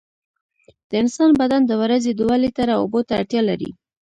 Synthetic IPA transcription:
d̪̥əɪnsɑnbad̪and̪əwaɾazed̪uwalet̪aɾaobot̪aaɽt̪jɑlaɾḭ

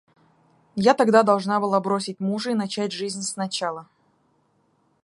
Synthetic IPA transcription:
jat̪ɐɡd̪ad̪ɐlˠʐnabɨlˠabɾo̞sʲɪtʲmuʐəinɐt͡ɕætʲʐɨzʲnʲsnɐt͡ɕalˠə

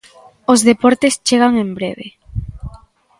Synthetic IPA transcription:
ozðepɔɾt̪est͡ʃeɣ̞aŋembɾeβḛ

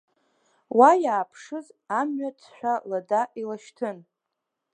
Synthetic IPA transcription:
wajaːpʰʂɨzamɥat͡sʰʃʷᶣaladaʔilaʃtʰɨn

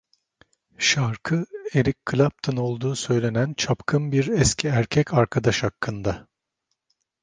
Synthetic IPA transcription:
ʃaɾkʰɯe̞ɾickʰːɯlʲap̚t̪ʰɯno̞lˠd̪uːsø̞jlʲe̞nænt͡ʃʰapkʰɯmbiɾɛscʰiæɾcʰɛcʰaɾkʰad̪aʃhakʰːɯnd̪a

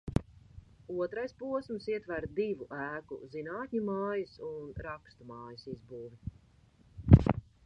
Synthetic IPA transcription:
uɔt̪ɾajspuɔsmsiɛt̪væɾd̪ivuʔæːkṵzinaːt̪ʲɲʲumaːjɨsunɾakst̪umaːjɨsizbuːvi

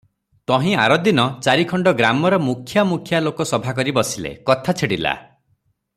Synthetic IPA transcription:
t̪ɔɦĩa̰ɾɔd̪inɔt͡ʃaɾikʰɔɳɖɔɡɾamɔɾɔmukʰjamukʰjalokɔsɔbʱakɔɾibɔsilḛkɔt̪ʰat͡ʃʰeɽila̰

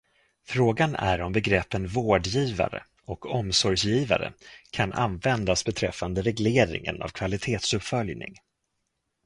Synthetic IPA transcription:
fɾoːɡanæ̰ɾɔmbɛɡɾɛpːənvoːɖjiːva̰ɾə̰ | ɔkɔmsɔɾjiːva̰ɾə̰kʰanʔa̰nvɛnd̪asbɛt̪ʰɾɛfːand̪əɾɛɡleːɾɪ̰ŋə̰na̰vkʰvalɪt̪ʰeːt̪sɵpfœljnɪ̰ŋ

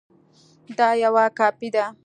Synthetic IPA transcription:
d̪ɑjawakɑpid̪a

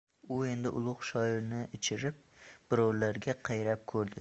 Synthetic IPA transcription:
ʊe̞nd̪ɪʔʊ̰lˠʊχʃɒɪɾnɪɪt͡ʃʰɪɾɪp̚b̥ʊɾɒwlaɾɡʲaqʰɑjɾap̚kʰɵɾd̪ɪ

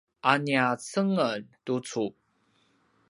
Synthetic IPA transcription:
ʔaniat͡səŋəntut͡sup̚

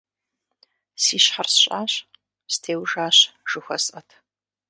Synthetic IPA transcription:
siːɕħarsɕʼaːɕ | stʰeːwʒaːɕʒ̥ɨxʷɔ̰sʼɐtʰ

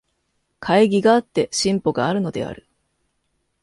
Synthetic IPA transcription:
kʰaiɡʲiɡaːt̪ːe̞ɕĩmpo̞ɡaːɾɯ̟no̞d̪e̞̰a̰ɾɯ̟

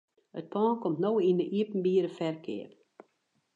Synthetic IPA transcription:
ət̚pʰɔːnkomtnowindəʔiəpn̩biəɾəfɛrkʰɪ̰ər

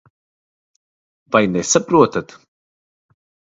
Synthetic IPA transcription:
vajnɛsapɾuɔt̪at̪

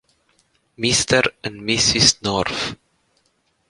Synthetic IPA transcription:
mistəɾə̃nmisisnɔɹf

